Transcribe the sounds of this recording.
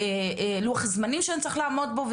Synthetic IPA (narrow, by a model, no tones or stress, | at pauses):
eluaχzmanimʃeant͡saʁiχlaːmo̞d̚bov